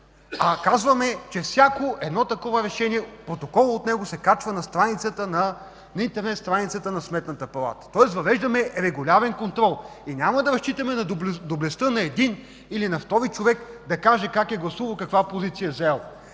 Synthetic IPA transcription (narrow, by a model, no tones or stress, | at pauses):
ɐkazvɐmɛt͡ʃɛfsʲjakoʔɛd̪nɔt̪ɐkɔvəɾɛʃɛniɛpɾot̪okɔlˠːt̪nɛɡʊsɛkat͡ʃvɐnɐst̪ɾanit̪sət̪ənɐ | nɐint̪ɛɾnɛt̪st̪ɾanit̪sət̪ənɐsmɛt̪nɐt̪əpɐlˠa̰t̪ə̥t̪ɔɛsvɐvɛʒd̪ɐmɛɾɛɡʊlʲavɛnkont̪ɾɔlˠ | inʲamɐd̪ɐɾɐst͡ʃit̪ɐmɛnɐd̪bld̪oblɛst̪ənɐɛd̪in | ilinɐft̪ɔɾit͡ʃovɛkd̪ɐkaʒɛkakɛɡlˠɐsuvɐlˠkɐkvapozit̪sijəzɛlˠ